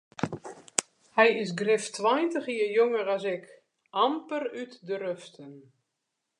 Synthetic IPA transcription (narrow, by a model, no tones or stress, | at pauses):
hɛjɪsɡrɪftwajntəxiəjoŋəɾasɪk | ʔampərytdərøftən